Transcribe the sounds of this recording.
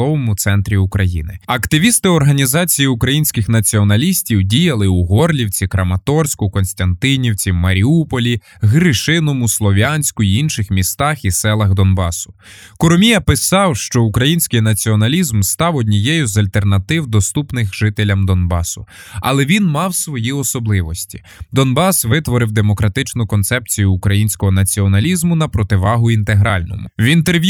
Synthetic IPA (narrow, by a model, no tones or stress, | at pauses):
ɔʋɔmʊt̪sɛnt̪ɾʲiʊkɾɐjḭnɪ̰ɐkt̪ɪʋʲist̪ɪɔrɦɐnʲizɑt͡sʲijiʊkɾɐjinʲsʲkɪxnɐt͡sʲiɔnɐlʲisʲtʲiwdʲijɐlˠɪuɦɔrlʲiwt͡sʲikɾɐmɐt̪ɔrsʲkʊkɔnsʲt̪ɐnt̪ɪnʲiwt͡sʲimɐɾʲiupɔlʲi | ɦɾɪʃɪnɔmʊslˠɔʋʲanʲsʲkʊiinʃɪxmʲist̪ɑxisɛlˠɐɣd̪ɔnbɑsʊ̥ | kʊɾɔmʲijɐpɪsɑwʃt͡ʃɔukɾɐjinʲsʲkɪjnɐt͡sʲiɔnɐlʲizmst̪ɑwɔdʲnʲijɛjʊzɐlʲt̪ernɐt̪ɪwd̪ɔst̪upnɪxʒɪt̪elʲɐmd̪ɔnbɑ̰sʊ | ɐ̰lˠɛʋʲinmɑwsʋɔjiɔsɔblˠɪʋɔsʲtʲi̥ | d̪ɔnbɑsʋɪt̪ʋɔɾɪwd̪emɔkɾɐt̪ɪt͡ʃnʊkɔnt̪sɛpt͡sʲijʊːkɾɐjinʲsʲkɔɦɔnɐt͡sʲiɔnɐlʲizmʊnɐpɾɔt̪ɪʋɑɦʊint̪eɦɾɑ̰lʲnɔ̰mʊ̰wʲint̪erʋʲj